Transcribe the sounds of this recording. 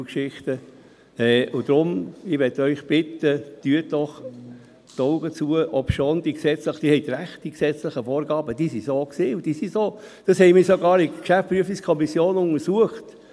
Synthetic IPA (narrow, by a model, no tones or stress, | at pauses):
kʃɪχt̪ə | ɛːʊd̥̪ɾʊmɪʋɛtœʏχb̥ɪt̪ːəd̥yətd̥ɔχ | t̪ɔʊɡət͡suəʔɔpʃoːnd̥̪iːksɛt͡slɪχd̥iːhɛɪt̪ɾæχtd̥iksɛt͡slɪχəfoːɾɡɑːbəd̥iːsisoːksiːʊd̥iːsisoː | d̥ɑshɛɪmiːsoɡɑːɾɪkʃæftpɾyəfiskʰɔmisjoːnʊŋəɾsuəχt